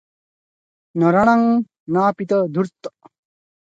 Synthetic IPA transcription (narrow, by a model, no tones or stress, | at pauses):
nʌɾɐɽ̃aŋ | naːpit̪ʌd̪uɾt̪